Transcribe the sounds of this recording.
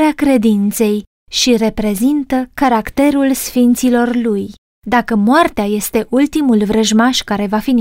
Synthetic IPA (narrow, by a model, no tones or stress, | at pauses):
eakɾe̞d̪int̪se̞j | ʃiɾe̞pɾe̞zint̪əkaɾakt̪e̞ɾulsfint̪silo̞rluj | d̪akəmoart̪eaje̞st̪e̞ʔult̪imulvɾəʒmaʃkaɾe̞vafin